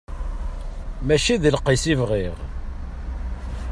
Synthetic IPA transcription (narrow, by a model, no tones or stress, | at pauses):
mæʃiðlqisivʁiʁ